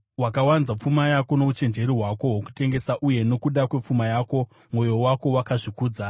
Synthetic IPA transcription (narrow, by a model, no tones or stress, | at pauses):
wakawanzap͡fumajako̞no̞ut͡ʃe̞nd͡ʒe̞ɾiɦwako̞woku̥te̞ŋɡe̞saʔuje̞no̞kuɗakwe̞p͡fumajaːko̞ | mo̞jo̞wako̞wakaʐikuːd͡za